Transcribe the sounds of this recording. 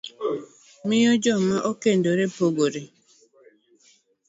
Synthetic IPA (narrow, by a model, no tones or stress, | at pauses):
mijod͡ʒɔmaʔokendoɾepoɡoɾe